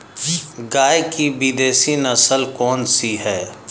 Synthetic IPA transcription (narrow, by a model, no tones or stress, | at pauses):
ɡaːjkibid̪eːsinəsəlkɔːnsiɦɛː